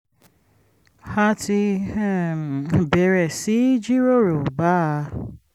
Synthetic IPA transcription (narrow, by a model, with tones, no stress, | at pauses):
ha˦ti˧˦˨ | bɛ˨ɾɛ˨si˨˦d͡ʒi˦ɾo˦˨ɾo˨ba˦